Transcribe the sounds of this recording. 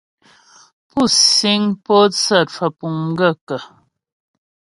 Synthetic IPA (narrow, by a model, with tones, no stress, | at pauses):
pu˦˨si˦ŋpo˦t͡sə˦˨t̚fə˨pu˨ŋ˦ɡə˦˨kə˨